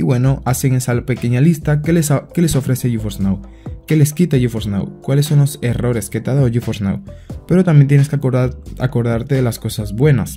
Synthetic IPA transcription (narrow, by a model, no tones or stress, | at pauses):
iβwe̞no̞ʔaseŋesalpe̞ke̞ɲalist̪akele̞so̞fɾe̞seʝufoznaw | ke̞le̞skit̪aʝufosna̰wkwale̞sːo̞nlose̞ro̞ɾe̞sket̪aðaoʝufosna̰wpe̞ɾo̞t̪ambjent̪jeneskea̰ko̞ɾðaɾt̪eðelasko̞sazβwe̞nas